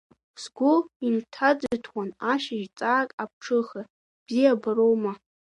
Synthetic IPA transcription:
sɡʷʊintʰad͡ztʰwanaʃaʒt͡sʼaːkʼap̚ʰʈ͡ʂʰɨχa | b̥zijabaɾowma

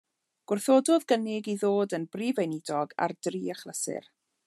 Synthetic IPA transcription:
ɡ̥ʊrθoːdɔðɡənɪɡiðoːdənbriːvejnɪdɔɡa̰rd̥riːaχlˠəsɪ̰r

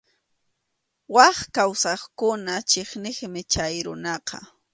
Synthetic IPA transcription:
wɑχkawsɑχkʊnat͡ʃeχnɪχmɪt͡ʃajɾʊ̰nɑqɑ̰

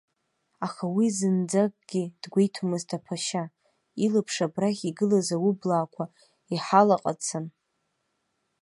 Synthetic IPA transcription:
aχawizɨnd͡zak̚ʼɡ̥ʲid̥ɡʷejtʰumɨztʰapʰaʃa | ilɨpʰʂabraχʲiɡɨlazawublaːkʷʰa | iħalaqʼa̰t͡sʰɨn

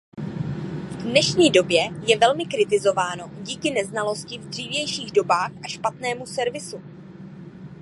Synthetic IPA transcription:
vdnɛʃɲiːdo̞bjɛjɛvɛlmɪkɾɪt̪ɪzo̞vaːno̞ɟiːkɪnɛznalo̞scɪvdr̝iːvjɛjʃiːɣdo̞baːxʔaʃpat̪nɛːmusɛɾvɪsu

